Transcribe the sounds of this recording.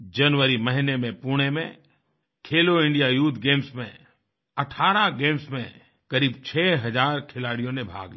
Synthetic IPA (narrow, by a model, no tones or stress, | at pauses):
d͡ʒɐnwəɾimɐɦɪnemẽpuːɽ̃emḛ̃ | kʰeːloɪ̃ɳɖijajuːt̪ʰɡeːmsmḛ̃ | ɐʈʰaːɾaɡeːmsmẽ | kɐɾiːbt͡ʃʰɛːɦɐd͡ʒaːɾkʰɪlaːɽijõnebʱa̰ːɡli